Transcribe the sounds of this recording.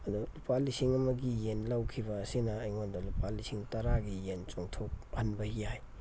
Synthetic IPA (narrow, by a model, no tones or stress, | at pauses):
ɐdulupalisiŋɐmɐɡijenlawkʰibɐːsinɐːjŋondɐlupalisiŋtɐɾaɡijent͡ʃoŋtʰok̚hɐnbɐhijaj